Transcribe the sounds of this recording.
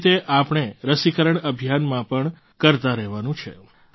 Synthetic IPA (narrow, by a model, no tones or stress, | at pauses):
t̪eʔapəɳ̃eɾəsikəɾəɳəbʱijanmãpəɳ | kəɾt̪aɾɛɦʋanũt͡ʃʰḛ